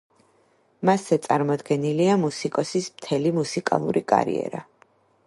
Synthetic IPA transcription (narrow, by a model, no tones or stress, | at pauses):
masɛt̪sʼaɾmɔd̪ɡɛniliamusikʼɔsismt̪ʰɛlimusikʼa̰lˠṵɾikʼa̰ɾḭɛ̰ɾa